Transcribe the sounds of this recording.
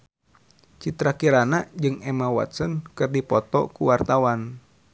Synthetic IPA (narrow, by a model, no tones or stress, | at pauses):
t͡ʃit̪ɾakiɾanad͡ʒɨŋɛmawa̰t̪sɔnkɨrdipɔt̪ɔ̰kuwart̪awan